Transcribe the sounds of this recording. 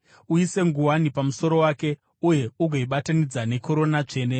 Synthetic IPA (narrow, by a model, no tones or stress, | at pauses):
uise̞ŋɡuwanipamuso̞ɾo̞waːke̞ | uje̞uɡʱoiɓatanid͡zane̞ko̞ɾo̞nat͡ʂe̞ːne